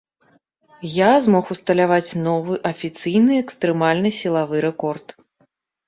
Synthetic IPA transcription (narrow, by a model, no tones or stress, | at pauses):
jazmɔxust̪ɐlʲavat͡sʲnɔvɨʔɐfʲit̪sɨjnɨɛkst̪ɾɨmalʲnɨsʲilˠavɨɾɛkɔrt̪